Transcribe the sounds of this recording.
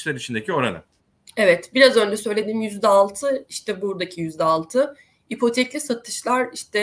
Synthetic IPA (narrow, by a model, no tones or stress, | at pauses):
lʲeɾit͡ʃʰind̪ecʰio̞ɾa̰nɯ̰ | evɛt̪biɾazø̞nd͡ʒɛsø̞jlʲe̞d̪iːmjyzd̪ɛalˠt̪ʰɯiʃt̪ʰɛbuɾd̪acʰijyzd̪ɛalˠt̪ʰɯ | ipʰo̞t̪ʰɛclʲisat̪ʰɯʃlˠaɾiʃt̪ɛ